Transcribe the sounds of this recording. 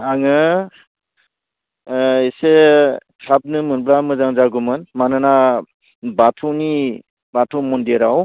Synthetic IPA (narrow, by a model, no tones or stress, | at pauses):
aŋɯ | esekʰap̚nɯmɯnblamɯzaŋzaɡumɯnmanɯna | batʰɔni | batʰɔmɔndeɾaw